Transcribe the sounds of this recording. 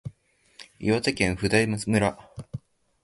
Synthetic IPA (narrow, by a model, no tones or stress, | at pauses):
iβat͡sakẽɰ̃ɸɯ̟d̪aimɯsmɯ̟ɾa